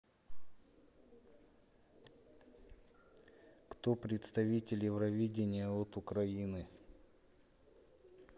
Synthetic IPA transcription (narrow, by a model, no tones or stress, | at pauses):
kt̪opɾʲɪt̪st̪ɐvʲitʲɪlʲjɪvɾɐvʲidʲɪnʲɪjəot̪ʊkɾɐinɨ